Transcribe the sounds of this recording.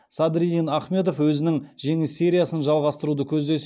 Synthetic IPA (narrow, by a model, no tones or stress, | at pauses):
sad̪ɾiinɑχme̞t̪o̞fwɵzɪnɪŋʒe̞ŋɪsːeɾʲijasənʒɑlˠʁɑst̪əɾud̪əkʲʰɵzd̪e̞s